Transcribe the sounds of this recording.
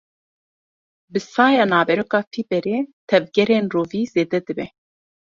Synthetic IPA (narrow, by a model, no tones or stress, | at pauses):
bɨsɑːjɑːnɑːbɛɾokɑːfiːbɛɾeːt̪ʰɛvɡɛɾeːnroːviːzeːd̪ɛd̪ɨbɛ